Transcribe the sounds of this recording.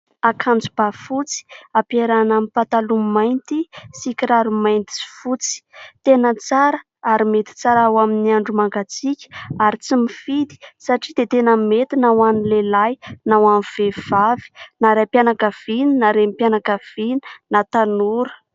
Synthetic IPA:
akʰand͡zub̥afut͡si̥apeɾanamipat̪alumajnt̪isikʲiɾaɾumajnt̪i̥si̥fut͡si̥t̪enət͡saɾə | aɾimet̪i̥t͡saɾawaminiaɳɖ͡ʐumaŋɡat͡sikʲə̥aɾit͡simifid̪i̥saʈ͡ʂid̪et̪enəmet̪inawanilelajnawamiv̥ev̥avi̥naɾapjanakav̥ininaɾemipjanakav̥ini̥nat̪anuɾə̥

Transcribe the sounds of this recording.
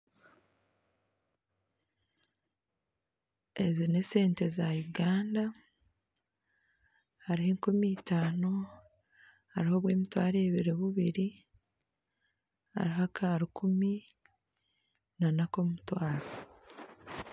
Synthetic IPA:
e̞zine̞se̞ːnte̞zajuɡaːnda | haɾiheːŋkomiːtaːno | haɾiho̞βwe̞ːmitwaːɾeːβiɾeβuβiɾi | ha̰ɾiɦakʰaːɾukʰumi | nanako̞mutwaːɾa

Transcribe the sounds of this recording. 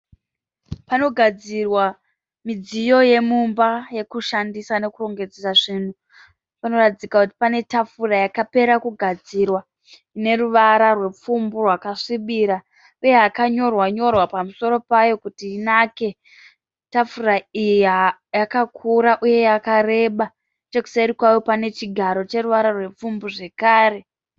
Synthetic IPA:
pano̞ɡʱad͡zirwa | mid͡zijo̞je̞mumbaje̞kuʃandisane̞kuro̞ŋɡe̞d͡zesaʐiːn̤u | pano̞ratid͡zikakuti̥pane̞tafurajakape̞ɾakuɡʱad͡zirwa | ine̞ɾuʋaɾarwe̞p͡fumburwakaʂiɓiːɾa | uje̞ɦakaɲo̞rwaɲo̞rwapamuso̞ɾo̞pajo̞kutiːnake̞ | tafuɾaijiajakakʰuɾaʔuje̞jakaɾe̞ɓa | t͡ʃe̞ku̥saiɾikwajopane̞t͡ʃiɡʱaɾo̞t͡ʃe̞ɾuʋaɾarwe̞p͡fumbuʐe̞kaːɾe̞

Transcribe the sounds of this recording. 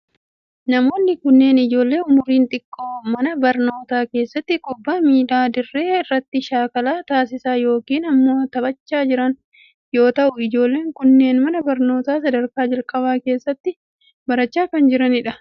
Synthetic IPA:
nɐmo̞ːnːɪkʊnːe̞ːnɪd͡ʒo̞ːlːe̞ːʊmʊɾiːnt̪ʼɪkʼːo̞ːmɐnɐbɐɾno̞ːt̪aːke̞ːsːɐt̪ːɪkʼʊbːaːmiːᶑaːd̪ɪrːe̞ːɪrːɐt̪ːɪʃaːkɐlaːt̪aːs̬ɪsaːjo̞ːkiːnɐmːo̞ːt̪ɐbɐt͡ʃːaːd͡ʒɪɾɐn | joːt̪ɐʔʊɪd͡ʒo̞ːlːe̞ːŋkʊnːe̞ːnmɐnɐbɐɾno̞ːt̪aːsɐd̪ɐɾkaːd͡ʒɐlkʼɐbaːke̞ːsːɐt̪ːɪ | bɐɾɐt͡ʃːaːkɐnd͡ʒɪɾɐnɪᶑɐ

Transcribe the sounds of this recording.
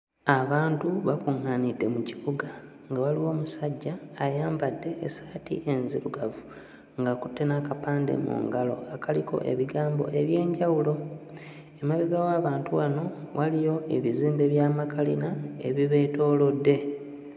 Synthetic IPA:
aβaːntuβakuŋːaːnide̞muciβuɡa | ŋɡawaliwo̞ːmusaɟːaːjaːmbadːe̞ːsḁtḭʔenziɾuɡavu | ŋɡakutːe̞nakapaːndḛmṵːŋɡalo̞̰akʰalikʰo̞̰ʔe̞̰βiɡaːmbo̞̰ʔe̞βje̞ːɲɟawulo̞ | emaβiɡawaːβaːntuwano̞wʔalijo̞e̞βiziːmbe̞βjaːmakʰalinae̞̰βiβe̞ːto̞ːlo̞dːe̞

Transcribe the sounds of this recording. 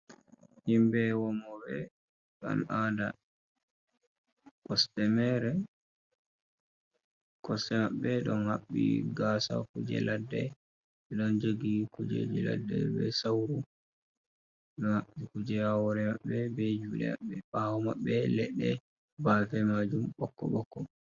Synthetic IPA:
himbɛwɔmɔbɛ | ka̰nada | kɔstɛmɛɾɛ | kɔstɛmaɓːɛɗɔnhaɓːḭɡasa̰kud͡ʒɛ̰ladːɛ | ɛɗɔnd͡ʒoɡikud͡ʒḛd͡ʒila̰dːɛ̰bɛsawɾu | ɗɔnhaɓːikud͡ʒɛhawɔɾɛmaɓːɛbɛd͡ʒuɗɛ̰ma̰ɓːɛɓawɔmaɓːɛlɛɗɛ | baːfɛmad͡ʒumɓɔkːɔɓɔkːɔ

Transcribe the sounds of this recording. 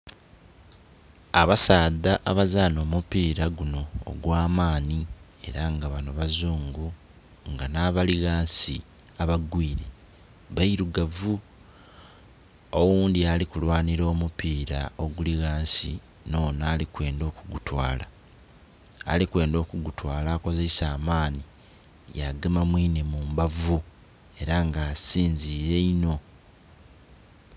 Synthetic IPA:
aβasaːd̪aʔaβazano̞ːmupiːɾaɡuno̞̰ːɡwaːmaːnie̞̰ɾaŋɡaβanoβazuːŋɡu | ŋɡanaβaliɣaːnsi | aβaɡwiːɾe̞ | βaiɾuɡavu | oɣuːndialikulwaːniɾo̞ːmupiːɾao̞ɡuliɣaːnsi | no̞ːnaːlikwe̞ːndo̞ːkuɡutwaːla | likwe̞ːndo̞ːkuɡutwaːlaːko̞ze̞saːmaːni | jaɡemamwiːnemumbavu | e̞ɾaŋɡaːsiːnziːɾe̞ino̞

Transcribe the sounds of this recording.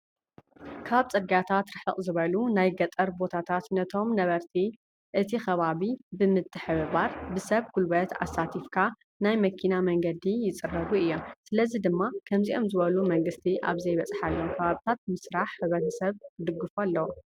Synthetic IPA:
kʰaβt͡sʼɨɡat̪ʰat̪ɾɨħɨqʼzɨβɐlunajɡɐt̪ʼɐɾbo̞t̪ʰat̪ʰat̪nɐt̪ʰo̞mnɐβɐɾt̪ʰi | ʔɨt̪ʰixɐβaβibɨmɨt̪ʰʼːɨħɨβɨβaɾbɨsɐβkʰulbɐt̪ʰa̰sːat̪ʰifkʰa | najmɐkʰinamɐŋɡɐd̪ijɪt͡sʼɨrːɐβuɨjːomsɨlɐzid̪ɨmːakʰɐmziʔo̞mzɨβɐlumɐŋɡɨst̪ʰiʔa̰βzɐjβɐt͡sʼħalːomkʰɐβaβit̪ʰat̪̚mɨsɾaħːɨβɾɐt̪ʰɐsɐβd̪ɨɡːɨfalːɐw

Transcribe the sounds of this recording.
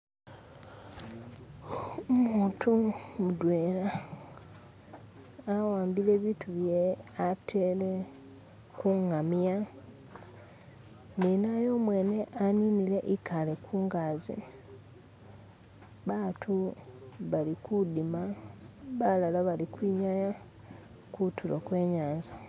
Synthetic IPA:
muːtʰumudweːɾa | waːmbile̞βitʰuβjeatʰe̞le | kuŋamja | ninajo̞ːmwe̞ːne̞ʔaninile̞ʔikʰalekʰuːŋɡaːzḭ | βaːtʰu | βalikudima | βalalaβalikwiːɲaja | kutulokwe̞ːɲaːnza

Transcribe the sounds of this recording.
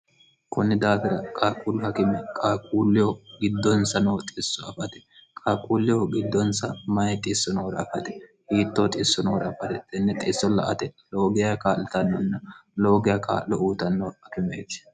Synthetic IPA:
kʊnːɪd̪aːfɪɾɐkʼaːkʼuːlːʊhɐkɪmɛkʼaːkʼuːlːɪjɔɡɪd̪ːɔnsɐnoːt̪ʼɪsːɔɐfɐt̪ɛ̥kʼaːkʼuːlːɪjɔɡɪd̪ːɔnsɐmɐjɛt̪ʼɪsːɔnoːɾɐɐfɐt̪ɛ̥ | hiːt̪ːoːt̪ʼɪːsːɔnoːɾɐɐfɐt̪ɛt̪ʼɪnːɛt̪ʼɪːsːɔlɐ̰ʔɐt̪ɛloːɡɪjakaːlɪt̪ɐnːɔnːɐlo̞ːɡɪjɐka̰ːlɔʔuːt̪ɐnːɔhɐkɪmɛ̰t̪ɪ̥

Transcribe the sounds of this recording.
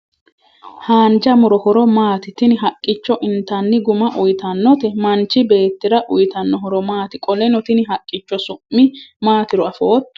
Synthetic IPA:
haːnd͡ʒɐmʊɾɔhɔɾɔmaːt̪ɪt̪ɪnɪɦɐkʼːɪt͡ʃːɔʔɪnt̪ɐnːɪɡʊmɐʔʊjt̪ɐnːɔt̪ɛmɐnt͡ʃːɪbe̞ːt̪ːɪɾɐʔʊjt̪ɐnːɔɦɔɾɔmaːt̪ɪkʼɔlɛnɔt̪ɪnɪɦɐkʼːɪt͡ʃːɔsʊmːɪmaːt̪ɪɾɔɐfoːt̪ː

